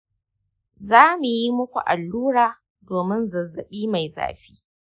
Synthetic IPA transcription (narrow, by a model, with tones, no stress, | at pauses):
zaː˦mu˨ji˦mʊ˦kʷṵ˨ʔa˨lːuː˦ɾaː˨ | doː˨mɪ˦nzɐ˨zːɐ˨ɓiː˦ma˨jza̰ː˨ɸi̥ː˦